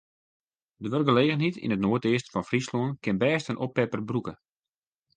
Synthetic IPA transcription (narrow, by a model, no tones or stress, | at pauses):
dəʋørɡəleːɣənɦitʰḭnətnoətɪəstfɔnfrisloənkɪnbɛːstənʔɔpɛpərbrukə